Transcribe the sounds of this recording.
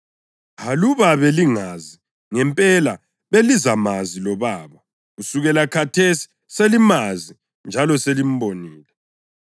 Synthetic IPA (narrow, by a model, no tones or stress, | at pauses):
ɦaluβaβɛliŋazi | ŋɛmpʼɛla | βelizamazilɔβaːβɔ | ɣusuɣɛlakʰatʰesi̥ | selimazi | nd͡ʒʱalɔselim̩boniːlɛ